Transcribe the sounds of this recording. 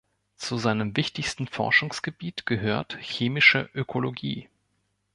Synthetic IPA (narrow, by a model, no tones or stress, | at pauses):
t͡suzaɪnəmvɪçtɪçstn̩fɔ̰ɐʃʊŋsɡ̥əbiːtɡ̥əɦøːɐtçeːmɪʃə̰ʔøkʰoloɡḭː